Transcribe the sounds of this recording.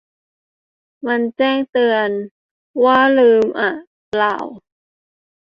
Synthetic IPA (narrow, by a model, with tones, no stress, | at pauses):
ma˧nt͡ɕɛː˥˩ŋt̪ɯ˧ən | waː˥˩lɯː˧mʔa˨˧˩ | la̰ː˨˩w